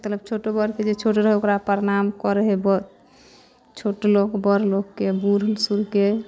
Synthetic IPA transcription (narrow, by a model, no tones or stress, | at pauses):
t̪ələb̚t͡ʃʰoʈobɔɾked͡ʒet͡ʃʰoʈɾəɦɛokɾapəɾnamkɔɾeɦebɔ | t͡ʃʰoʈlokbɔɾlokːebuɾənsuɾke